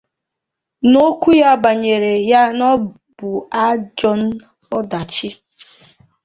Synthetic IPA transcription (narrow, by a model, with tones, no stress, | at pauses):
no˦kʷu˦ja˦˨ba˨ɲe˨ɾe˨ja˦nɔ˦ | bʊ˨a˦d͡ʒɔ˦n̩˦ | ɔ˦da˨t͡ʃɪ˦